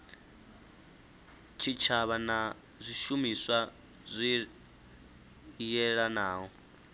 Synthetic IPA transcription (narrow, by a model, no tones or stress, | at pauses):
t͡ʃʰit͡ʃʰaβana | zʷiʃumiswa | zʷi | jɛɺanaːɦɔ